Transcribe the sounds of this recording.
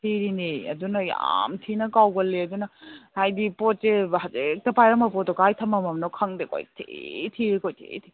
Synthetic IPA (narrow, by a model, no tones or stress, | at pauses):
tʰiɾineɐ̰dunɐja̰mtʰinɐkawɡɐlːeɐdunɐhajdipot̚sehazek̚tɐpajɾɐmɐpɔt̚okajtʰɐmɐmɐmnokʰɐŋdeko̰jtʰḛtʰiɾikojtʰḛtʰi